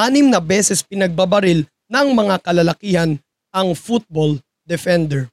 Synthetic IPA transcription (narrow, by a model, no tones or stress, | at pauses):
ʔaːnɪmnɐbɛːsɛspɪnɐɡ̚bɐbɐɾɪl | nɐŋmɐŋakɐlɐlɐkiːhɐn | ɐŋfut̪̚bol | d̪ɛfɛnd̪ɛɹ